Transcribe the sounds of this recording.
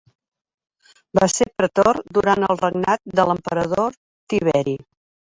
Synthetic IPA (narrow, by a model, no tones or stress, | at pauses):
basepɾət̪ord̪uɾanəlˠrəɡnat̪̚d̪ələmpəɾəðo | t̪iβɛɾi